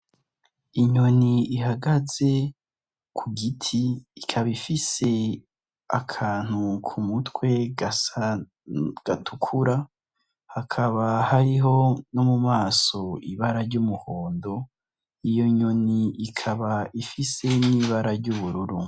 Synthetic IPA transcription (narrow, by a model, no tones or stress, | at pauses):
iɲo̞niiɦaɡaze̞ | kʰuɡitʰiːkʰaβifise̞ | akʰaːn̥ukʰumutkwe̞ | ɡ̥atʰukʰuɾa | hakʰaβahaɾiɦo̞nomumaːso̞iβaɾaɾɟumuho̞ːndo̞ | ijo̞ɲo̞niʔːkʰaβaifise̞niːβaɾaɾɟuβuɾuɾṵ